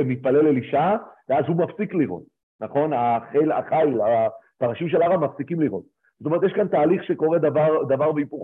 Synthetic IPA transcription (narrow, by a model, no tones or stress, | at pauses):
emit̪̚paleleliʃaveazhumafsikliʁo̞̰t̪̚ | naχo̞naχela̰χajlapaʁaʃimʃelaʁamafsikimliʁo̞̰t̪̚ | zot̪ome̞tjeʃkant̪aːliχʃeko̞ʁe̞d̪avaʁd̪avaʁbeipuχ